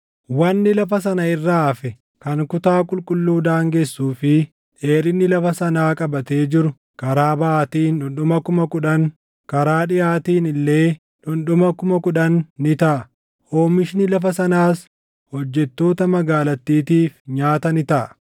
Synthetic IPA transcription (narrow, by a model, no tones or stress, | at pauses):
wɐnːɪlɐfɐsɐnɐɪrːaːfɛ | kɐŋkʊt̪aːkʼʊlkʼʊlːuːd̪aːŋɡesːuːfɪ | ᶑe̞ːɾɪnːɪlɐfɐsɐnaːkʼɐbɐt̪e̞ːd͡ʒɪɾʊ | kɐɾaːbɐaːt̪iːnᶑʊnɗʊmɐkʊmɐkʊᶑɐn | kɐɾaːᶑɪjaːt̪iːnɪlːe̞ː | ᶑʊnɗʊmɐkʊmɐkʊᶑɐnːɪt̪ɐʔ | oːmɪʃnɪlɐfɐsɐnaːs | hɔd͡ʒːɛt̪ːo̞ːt̪ɐmɐɡaːlɐt̪ːiːt̪iːfɲaːt̪ɐnɪt̪ɐʔ